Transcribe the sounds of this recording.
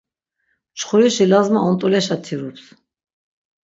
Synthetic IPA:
t͡ʃχuɾiʃilazmaɔnt̪ʼɔlɛʃat̪ʰiɾups

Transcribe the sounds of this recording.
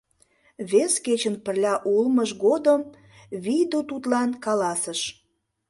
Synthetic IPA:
βesket͡ɕənpərlʲɑʔulməʃɣod̪əm | βijd̪ut̪ut̪lɑnkɑlɑsəʃ

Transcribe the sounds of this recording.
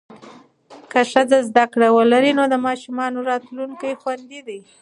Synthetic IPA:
kəʂəd͡zazd̪akɽawəlaɾinod̪əmɑʃumɑnoɾɑt̪luŋkajxwand̪id̪aj

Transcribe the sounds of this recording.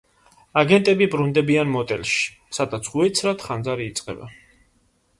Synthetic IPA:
aɡɛnt̪ʼɛbibɾund̪ɛbianmɔt̪ʼɛ̰lʃi̥ | sad̪at̪sʰuɛt̪sʰɾat̪ʰχand̪zaɾiːt̪sʼqʼɛ̰ba̰

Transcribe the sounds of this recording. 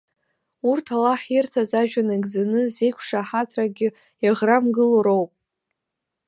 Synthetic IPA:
urtʰalaħirtʰazaʒᶣanaɡd͡zanɨzejkʷʰʂaħatʰraɡʲɪ | jaʁramɡɨloɾowpʼ

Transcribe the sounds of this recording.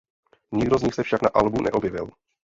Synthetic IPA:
ɲɪɡdozɲɪxsɛfʃaknaʔalbunʔɛ̰ʔo̞bjɪvɪ̰l

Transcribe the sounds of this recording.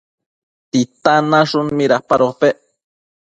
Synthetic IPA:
t̪it̪anaʂunmiɾahpaɾopeʔ

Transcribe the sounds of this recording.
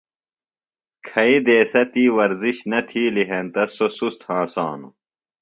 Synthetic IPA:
kʰɐid̪eːsɐt̪iːwɐɾziɕnɐt̪ʰiːliɦent̪ɐsosust̪hãːsã̰ːnṵ

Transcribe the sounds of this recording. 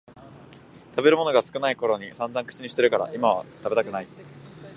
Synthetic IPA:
t̪abe̞ɾɯ̟mo̞noɡasɨ̥kɯ̟naiko̞ɾo̞ɲ̟isãnzãŋkɯ̥t͡ɕiɲ̟iɕi̥t̪e̞ɾɯ̟kaɾa̰ʔimaβ̞a̰t̪abe̞t̪akɯ̟nai

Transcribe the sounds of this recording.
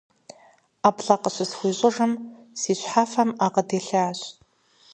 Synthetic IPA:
apʰɬaqʼəʃʷɨsxʷiɕʷʼɪʐɨm | siɕʷħafamaqʼədeɬaːɕʷʼ

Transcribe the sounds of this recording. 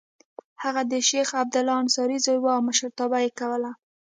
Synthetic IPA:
haɣad̪əʃexab̚d̪ʊlɑnsɑɾizojwaawməʃəɾt̪ɑbajekawəla

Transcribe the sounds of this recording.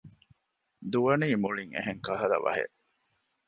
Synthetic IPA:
d̪uʋɐniːmuɭiŋḛɦeŋkɐɦɐlɐ̰ʋɐ̰ɦḛʔ

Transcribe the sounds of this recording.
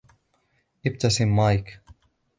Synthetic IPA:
ʔɪb̚t̪asɪmːajk

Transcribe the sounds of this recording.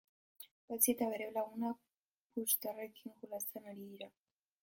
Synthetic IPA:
bat͡siet̪aβe̞ɾewlaɣuna | pust̪arekiŋkulast͡senaɾiðiɾa

